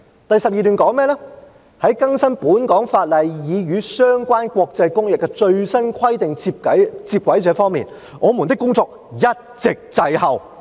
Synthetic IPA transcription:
t̪ɐ˨jsɐ˨p̚jiː˨t̪yː˨nkɔː˨˥ŋmɛː˥lɛ˥ | hɐ˨˥jkɐ˥ŋsɐ˥npuː˨˥nkɔː˨˥ŋfaː˧t̚lɐ˨jjiː˨˧jyː˨˧sœː˥ŋkʷaː˥nkʷɔː˧k̚t͡sɐ˧jkʊ˥ŋjɪ˨kːɛ˧t͡ʃɵ˧ɥsɐ˥nkʰɐ˥jt̪ɪ˨ŋt͡si˧p̚kɐ˨˥t͡siː˧p̚kʷwɐ˨˥jt͡sɛː˨˧˥fɔː˥ŋmḭː˨˩n | ŋɔː˨˧mu˨˩nt̪ɪ˥kːʊ˥ŋt͡sɔː˧k̚ | jɐ˥t̚t͡sɪ˨k̚t͡sɐ˧jhɐ˨w

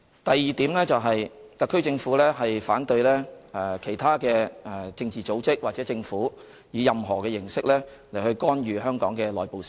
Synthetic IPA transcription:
t̪ɐ˨jːiː˨t̪iː˨˥mlɛː˥t͡sɐ˨wɦɐ˨jt̪ɐ˨kʰːɵ˥ɥt͡sɪ˧ŋfuː˨˥lɛː˥ɦɐ˨jfaː˨˥nt̪ɵ˧ɥlɛː˥ɛ˨˧˩kʰe˨˩jt̪ʰaː˥kɛː˧ɛ˧˩t͡sɪ˧ŋt͡siː˨t͡so˨˥wt͡sɪ˥k̚waː˨˩ɛː˨˥t͡sɪ˧ŋfuː˨˥ | jiː˨˧jɐ˨mɦɔː˨˩kɛː˧jɪ˨˩ŋsɪ˥k̚lɛː˥ | le˨˩hɵ˧ɥkɔː˥nɥyː˨ɦœː˥ŋkɔ̰ː˨˥ŋkɛː˧lɔː˨˩jpo˨˧wsi̥˨˩

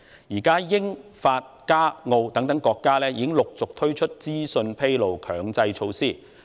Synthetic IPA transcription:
jiː˨˩kaː˥jɪ˥ŋfaː˧t̚kaː˥ŋo˧wt̪ɐ˨˥ŋt̪ɐ˨˥ŋkɔː˧kːaː˥lɛː˥jiː˨˧kɪ˥ŋlʊ˨k̚t͡sʊ˨k̚t̪ʰɵ˥ɥt͡ʃʰɵ˥t̚t͡siː˥sɵ˧npʰe˥jlo˨wkʰœː˨˧ŋt͡sɐ˧jt͡ʃʰo˧wsiː˥

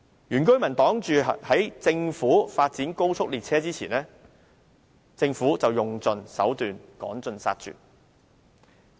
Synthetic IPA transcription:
jyː˨˩nkɵ˥ɥmɐ˨˩nt̪ɔː˨˥ŋt͡ʃyː˨hɐ˨˥jt͡sɪ˧ŋfuː˨˥faː˧t̚t͡siː˨˥nko˥wt͡sʰʊ˥k̚liː˨t̚t͡sʰɛː˥t͡siː˥t͡sʰiː˨˩nɛː˥ | t͡sɪ˧ŋfuː˨˥t͡sɐ˨wjʊ˨ŋt͡sɵ˨˧nsɐ̰˨˥wt̪yː˨nkɔ̰ː˨˥nt͡sɵ˨˧nsa̰ː˧t̚t͡ʃy̰ː˨

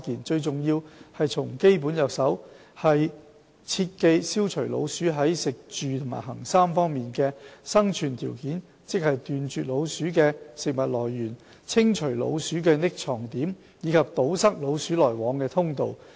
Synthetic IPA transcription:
kiː˨˩nt͡ʃɵ˧ɥt͡sʊ˨ŋjiː˧whɐ˨jt͡sʰʊ˨˩ŋke˥jp̬uː˨˥njœ˨˧k̚sɐ˨˥w | hɐ˨j | t͡sʰiː˧t̚ke˧jsiː˥wt͡ʃʰɵ˨˩ɥlo̰˨˧wsyː˨˥ɦɐ˨˥jsɪ˨k̚t͡ʃyː˨t̪ʰʊ˨˩ma̰ː˨˩jɦɐ˨˩ŋsaː˥mfɔː˥ŋmiː˨nkɛː˧sɐ˥ŋt͡ʃʰyː˨˩nt̪ʰiː˨˩wkiː˨˥n | t͡sɪ˥k̚hɐ˨jt̪yː˨nt͡ʃyː˨t̚lo˨˧wsyː˨˥kɛː˧sɪ˨k̚mɐ˨t̚lɔː˨˩jːyː˨˩n | t͡sʰɪ˥ŋt͡ʃʰɵ˨˩lo̰˨˧wsyː˨˥k̬ɛː˧nɪ˥k̚t͡sʰɔː˨˩ŋt̪iː˨˥m | jiː˨˧kʰɐ˨p̚t̪o˨˥wsɐ˥k̚lo˨˧wsyː˨˥lɔː˨˩jwɔː˨˧˥ŋkɛː˧t̪ʰʊ˥ŋt̪o̰˨w

